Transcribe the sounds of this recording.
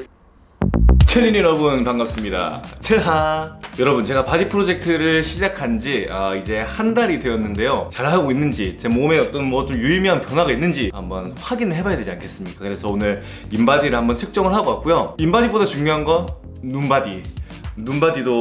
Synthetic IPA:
t͡ɕʰeʎːiniɾʌbɯnpaŋɡap̚s͈ɯmɲida̰t͡ɕʰeɭɦajʌɾʌbɯnt͡ɕe̞ɡapadipʰɯɾod͡ʑe̞k̚tʰɯɾɯɭɕʰid͡ʑakʰand͡ʑiaid͡ʑe̞handaɾidwe̞jʌnːɯnde̞jot͡ɕaɭhaɡoinːɯnd͡ʑit͡ɕe̞mome̞ʌt͈ʌnmwʌt͡ɕomjuimiɦanpjʌnwaɡainːɯnd͡ʑihambʌnɸwaɡinɯɭɦe̞bajade̞d͡ʑiankʰe̞s͈ɯmɲik͈akɯɾe̞sʰʌonɯɾ | imbadiɾɯɭhambʌnt͡ɕʰɯk̚t͡ɕ͈ʌŋɯɭɦaɡoak͈̚ujoimbadibodat͡ɕuŋɲjoɦanɡʌ | nunbadi | nunbadido

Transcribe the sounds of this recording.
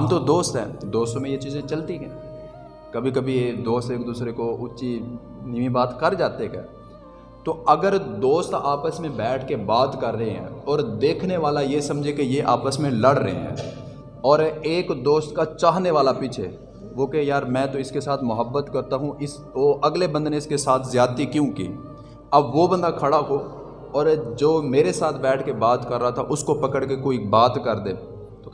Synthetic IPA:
ɦɐmt̪od̪oːst̪ɦɛ̰ːd̪oːst̪õmẽjet͡ʃiːzẽt͡ʃɐlt̪iɦɛ̃ː | kɐbʱikɐbʱiːkd̪oːst̪eːkd̪uːsɾekoʊʃi | nimĩbaːt̪kɐɾd͡ʒaːt̪ekɛ̰ː | t̪oɐɡəɾd̪oːst̪aːpəsmẽbɛːʈʰkebaːd̪kɐɾːəɦeɦɛ̰̃ːɔːɾd̪eːkʰneʋaːlajesɐ̃md͡ʒʱekejeʔa̰ːpəsmẽlɐɽɾə̰ɦḛɦɛ̰̃ː | ɔːɾeːkd̪oːst̪kat͡ʃaːɦneʋaːlapit͡ʃʰeː | ʋoːkɛjaːɾmɛ̃ːt̪oɪskesaːt̪ʰmʊɦəbːət̪kɐɾt̪aɦũɪs | ʋoɐɡlebɐ̃nd̪neɪskesaːt̪ʰzjaːd̪t̪ikjũkḭː | ɐbʋobɐ̃nd̪akʰɐɽako | ɔːɾd͡ʒoːmeːɾesaːt̪ʰbɛːʈʰkebaːt̪kɐɾːaɦat̪ʰaʔʊskopɐkəɽkekoːibaːt̪kɐɾd̪ẽː | t̪o

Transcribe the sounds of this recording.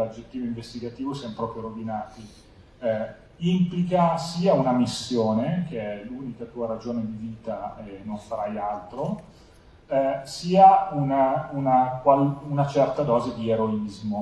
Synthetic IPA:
ad͡ʒet̪ːiːvoĩɱvest̪iɡat̪iːvosjamopɾɔːpɾioɾod̪inaːt̪i | implikasiːaunamisːjoːnekeɛluːnikat̪uːaɾad͡ʒoːned̪iviːt̪aɛnoɱfaɾajalt̪ɾo | siːaunaunakwalunat͡ʃɛrt̪ad̪ɔːzed̪ieɾoizmo

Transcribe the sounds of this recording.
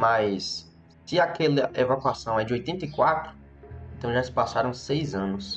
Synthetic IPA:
majsː | ɪakɛlɐʔevakuasɐ̃w̃ɛd͡ʒɪojt̪ẽnt̪ɐikwat̪ɾʊ | ẽnt̪ɐ̃w̃ʒasɪ̥pasaɾɐ̃w̃sejzɐ̃nʊs

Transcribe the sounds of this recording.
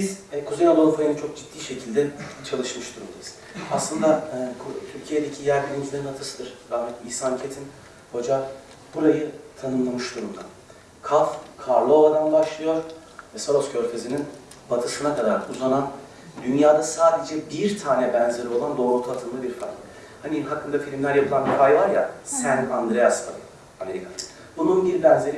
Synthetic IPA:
bizkʰuzenad̪olˠfajɯnɯnt͡ʃʰo̞k̚d͡ʒit̪ːiːʃe̞cʰilʲd̪ɛt͡ʃʰalˠɯʃmɯʃd̪uɾumd̪ajiz̥ | aslˠɯnd̪akʰt̪ʰyɾcʰijed̪e̞cʰijæɾb̪iɾʲimizlʲeinat̪ʰɯsɯd̪ɯɾ̥ɾahmɛt̪iːsancʰet̪ʰin | ho̞d͡ʒa | buɾajɯt̪ʰanɯmlˠamɯʃd̪uɾumd̪a̰ | kʰafkʰaɾlˠo̞vad̪anbaʃlˠɯjo̞ɾ | vɛsoɾoscʰøɾfezinin | b̥at̪ʰɯsɯnakʰad̪aɾuzanan | d̪ynjaːd̪asaːd̪ed͡ʒɛbiɾt̪ʰaːnɛbɛnzeɾio̞lˠand̪o̞ːɾut̪ʰat̪ʰɯmd̪ɯbiɾfa̰ɾkˠ | haniɦakːɯnd̪afilʲimlʲæɾjapʰɯlˠanbifajvaɾja̰sænand̪ɾejast̪ʰaɾɯ | ame̞ɾikʰanɯ | bununbiɾbɛnze̞ɾi

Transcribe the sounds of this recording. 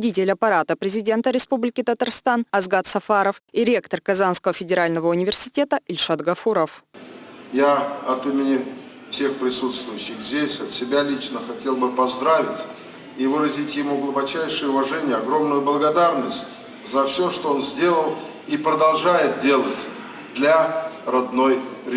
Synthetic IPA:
dʲitʲɪlʲɐpɐɾat̪əpɾʲɪzʲɪdʲe̞nt̪əɾʲɪspublʲɪkʲɪt̪ət̪arst̪anɐzɡat̪sɐfaɾəfɪɾʲe̞kt̪ərkɐzanskəvəfʲɪdʲɪɾalʲnəvəʊnʲɪvʲɪrsʲɪ̥tʲe̞t̪əɪlʲʂad̪ɡɐfuɾəf | jaɐt̪imʲɪnʲɪ | fsʲe̞xpɾʲɪsut̪st̪vʊjɕːɪxzʲdʲesʲɐt̪sʲɪbʲalʲit͡ɕnəxɐtʲe̞lˠbɨpɐzd̪ɾavʲɪt̪ʲ | ivɨɾəzʲɪtʲjɪmuɡlˠʊbɐt͡ɕæjʂɨjəʊvɐʐɛnʲɪjəɐɡɾo̞mnʊjʊblˠəɡɐd̪arnəsʲtʲ | zɐfsʲoʂt̪oonzʲdʲe̞lˠəlˠ | ipɾəd̪ɐlˠʐajɪt̪̚dʲe̞lˠətʲ | d̪lʲarɐd̪no̞jɾʲ

